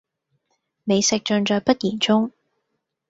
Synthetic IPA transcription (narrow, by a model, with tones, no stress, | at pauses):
ne˨˧jsɪ˨k̚t͡ʃœ˨˧nt͡ʃɔː˨˧jpɐ˥t̚jiː˨˩nt͡sʊ˥ŋ